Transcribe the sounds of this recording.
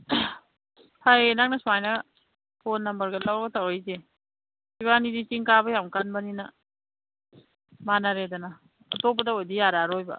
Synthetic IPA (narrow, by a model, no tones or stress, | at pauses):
hajenak̚nɐsuajnɐ | pʰonːɐmbɐɾɡɐlawɾɡɐtawɾajze | sibanidit͡ʃiŋkabɐjamkanbɐninɐ | manaɾedanɐː | top̬ːɐdaojdijaɾaɾojbɐ̰